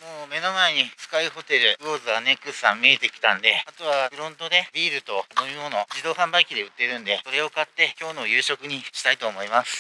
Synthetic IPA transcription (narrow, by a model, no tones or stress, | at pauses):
moːme̞no̞mae̞ɲ̟isɨ̥kaiho̞t̪e̞ɾɯ̟ɯoːzɨane̞kːɯssã̰mːʲiet̪e̞kʲi̥t̪ãnd̪e̞at̪o̞β̞abɯ̟ɾõ̞nt̪o̞d̪e̞bʲiːɾɯ̟t̪o̞noɯmono̞d͡ʑid̪o̞ːɦãmbaikʲid̪e̞ɯ̟t̪ːe̞ɾɯ̟̃nd̪e̞so̞ɾe̞o̞kat̪ːe̞kʲo̞ːno̞jɯ̟ːɕo̞kɯ̟ɲ̟iɕi̥t̪ait̪o̞ːmo̞imasɨ̥